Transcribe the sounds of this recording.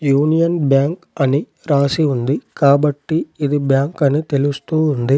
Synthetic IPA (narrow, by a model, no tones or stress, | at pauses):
juːnɪjɐnbjaːŋkɐni | ɾaːsiʋɐnd̪ɯkaːbɐʈːiɪðɯbjaːŋkɐnɯt̪ɛlɯst̪uːɐnd̪ɯ